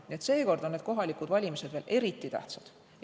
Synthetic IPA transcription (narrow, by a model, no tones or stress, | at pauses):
niet̪se̞ːko̞rd̪onːet̪ko̞ɦɑlikud̪̥vɑlʲimise̞d̪̥ve̞ːlʔe̞ɾit̪ˑːit̪æ̰ht̪sɑd̪̥